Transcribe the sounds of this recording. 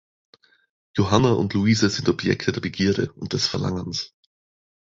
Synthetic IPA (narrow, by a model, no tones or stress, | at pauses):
joɦanaʔʊ̰ntluiːzəzɪntɔbjɛ̰ktʰədeːɐbəɡiːɐɾə̰ʊnt̚d̥ɛsfɛɐla̰ŋəns